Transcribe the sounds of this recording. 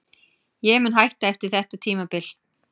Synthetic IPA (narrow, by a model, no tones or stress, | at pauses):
jɛmʏnɦajht̪aɛft̪ɪɾ̥θɛht̪at̪ʰiːmapɪl